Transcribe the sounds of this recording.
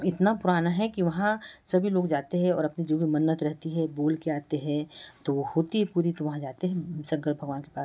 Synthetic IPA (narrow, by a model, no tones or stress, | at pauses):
ɪt̪napʊɾaːnaɦɛkiʋɐɦãsɐbʱiloːɡd͡ʒaːt̪eɦɛ̃ɔːɾɐpnid͡ʒoːbʱimɐnːət̪ɾɛɦt̪iɦɛboːlkeaːt̪eɦɛ̃t̪oʋohoːt̪iɦɛpuːɾit̪oʋɐɦãd͡ʒaːt̪eɦɛ̃sɐ̃ŋkəʈbʱɐɡʋaːnke̥paːs